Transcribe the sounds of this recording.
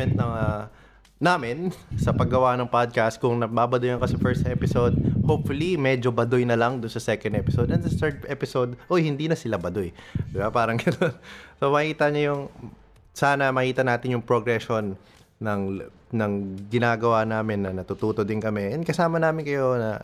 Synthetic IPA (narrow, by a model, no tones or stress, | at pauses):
ɛnt̪̚nɐŋɐ | naːmɪnsɐpɐɡɐwanɐŋpad̪̚kast̪̚kʊŋnɐbaːbɐd̪ʊjɐnkɐsɐfɛɹst̪ʔɛpɪsowd̪̚hopfʊlimɛd͡ʒobɐd̪ʊjnɐlɐŋd̪ʊnsɐsɛːkɛ̃nd̪ʔɛpɪsod̪ɛnsɐθɛɹd̪ʔɛpɪsod̪ʔojhɪnd̪iːnɐsɪlabɐd̪ojd̪ɪbapaːɾɐŋɡɐnonsomɐʔiːt̪ɐɲɐjʊŋ | saːnɐmɐhiːt̪ɐnaːt̪ɪnjʊŋpɾoɡɾɛʃo̞nː | ɐŋ | nɐŋɡɪnaːɡɐwanaːmɪnːɐnɐt̪ut̪uːt̪o̞d̪ɪnkɐmɛɛnkɐsaːmɐnaːmɪnkɐjo̞nɐ̰